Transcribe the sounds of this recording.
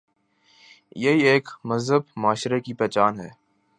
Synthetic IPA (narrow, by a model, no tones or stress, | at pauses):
jɐɦieːkmɐzɦəbmaːʃɾekipɛːt͡ʃaːnɦɛː